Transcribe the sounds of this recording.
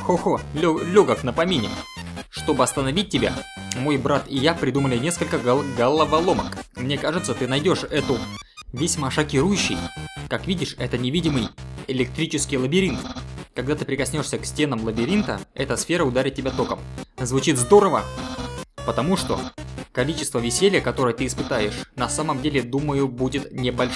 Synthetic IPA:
xoxolʲolʲoɡəknəpɐmʲinʲɪkʂt̪o̞bɨɐst̪ənɐvʲit̚ʲtʲːɪbʲa̰mo̞jbɾat̪ɪjapɾʲɪd̪uməlʲɪnʲe̞skəlʲkəɡəlˠəvɐlˠo̞məkmnʲe̞kaʐɨt̪sət̪ɨnɐjdʲo̞ʂɛt̪ʊ | vʲɪsʲməʂɐkʲɪɾujʉɕːɪ̰jkakvʲidʲɪʂɛt̪ənʲɪvʲidʲɪmɨjɪlʲɪk̚t̪ɾʲit͡ɕɪskʲɪjlˠəbʲɪɾʲint̪kɐɡd̪at̪ɨpɾʲɪkɐsʲnʲo̞ʂsʲəksʲtʲe̞nəmlˠəbʲɪɾʲint̪ə̰ɛt̪əsfʲe̞ɾəʊd̪aɾʲɪt̪̚tʲːɪbʲat̪o̞kəmzvʊt͡ɕit̪zd̪o̞ɾəvə | pət̪ɐmuʂt̪o̞̰kɐlʲit͡ɕɪst̪vəvʲɪsʲelʲɪjəkɐt̪o̞ɾəjət̪ɨɪspɨt̪ajɪʂnɐsaməmdʲelʲɪd̪uməjʊbudʲɪt̪nʲɪbɐlʲʂ

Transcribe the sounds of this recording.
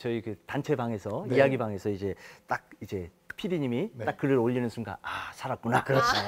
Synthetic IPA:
t͡ɕʌikɯtant͡ɕʰe̞baŋe̞sʰʌijaɡibaŋe̞sʰʌid͡ʑe̞t͈ak̚id͡ʑe̞ | pʰidiɲimit͈ak͈ːɯɾɯɾoʎːinɯnsʰunɡa̰asʰaɾat̚k͈unakɾt͡ɕʰo

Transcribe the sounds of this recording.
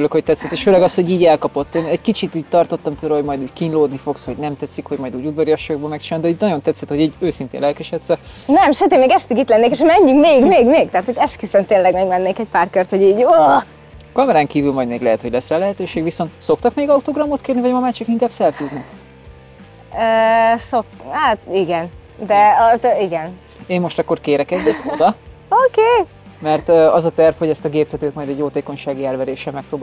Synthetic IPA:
yløkho̞c̚t̪ɛt̪sɛt̪eːʃføːlɛɡɒsho̞ɟiːɟɛlkɒpo̞t̪ːeːnɛɟkit͡ʃit̪uːɟ̚t̪ɒrt̪ot̪ːɒmt̪oːɾɑɦo̞ɟmɒjd̪uːɟkinloːd̪nifo̞ksho̞ɟnɛmt̪ɛt̪sikho̞ɟmɒjd̪uːɟud̪vɒɾjɒʃoɡboːmɛkt͡ʃinaːt̪d̪ɛiːtnɒɟo̞nt̪ɛt̪sɛt̪ho̞ɟiːɟøːsint̪ḛnlɛlkɛʃɛt̪sɛnɛmʃøt̪eːmeːɡɛʃt̪ikit̪lɛnːeːkeʃmɛɲːyŋkmeːɡmeːɡmeːɡ̚t̪ɛɦaːt̪hoɟɛʃkisønt̪eːnlɛɡmeɡmɛnːeːkɛcpaːrkørt̪ho̞ɟiːɟo | kɒmɛɾaːŋkiːvylmɒjd̪meːɡlɛɦɛt̪ho̞ɟlɛsrɛːlɛɦɛt̪øːʃeːɡʋiso̞nt̪so̞kt̪ɒkmeːɡɒut̪oɡrɒmot̪keːrnivɒɟmɒmaːt͡ʃikiŋkaːbsɛlfyːznɛk | øːsokhaːt̪iɡɛn | d̪ɛɒziɡɛn | eːmmo̞ʃt̪ɒkːo̞rkeːɾɛkɛɟdɛt̪od̪ɒokeː | mɛrt̪ːɒzɒt̪ɛrfho̞ɟɛst̪ɒɡeːp̚t̪ɛt̪øːt̪mɒjd̪ɛɟjoːt̪eːko̞ɲʃaːɡiɛlvɛɾeːʃɛmɛk̚proːbaː

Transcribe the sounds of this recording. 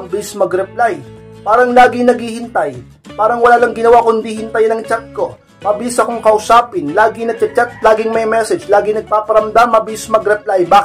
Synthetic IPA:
ɐŋbɪlɪsmɐɡɾɛp̚lajpaːɾɐŋlaːɡɪŋnɐɡhihɪnt̪aj | paːɾɐŋwɐlaːlɐŋɡɪnɐwakʊnd̪ihɪnt̪ajnɐŋt͡ʃat̪̚ko̞ | maːbɪlisɐkoŋkɐʔʊsaːpɪnlaːɡɪŋnɐt͡ʃɐt͡ʃat̪̚laːɡɪŋmɐjmɛsɛd͡ʒlaːɡɪŋnɐɡ̚paːpɐɾɐmd̪amːɐbɪlɪsmɐɡɾɛplajbaːk

